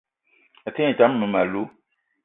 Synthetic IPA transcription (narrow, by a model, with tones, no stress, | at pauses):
a˨te˦ɛ˨t͡ʃa˨˦m˦nũ˨ma˨lu˦